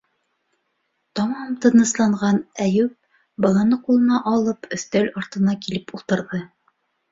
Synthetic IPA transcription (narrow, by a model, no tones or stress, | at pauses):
t̪ɒmɑmt̪ɤ̆nɤ̆slˠɑɴʁɑnæjʉp̚ | bɤ̆lˠɤ̆nɤqulˠɤ̆nɑʔɑlˠɤpʰɵ̆θt̪ølɒɾt̪ɤ̆nɑkilɘpulˠt̪ɤ̆ɾðɤ